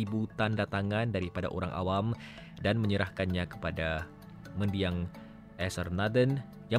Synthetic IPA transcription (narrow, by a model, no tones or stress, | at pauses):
ibut̪andat̪aŋandaɾipada̰ʔoɾaŋʔa̰wam | danməɲəɾahkanɲakə̥pada | məndiaŋ | ʔɛsərnadən | ja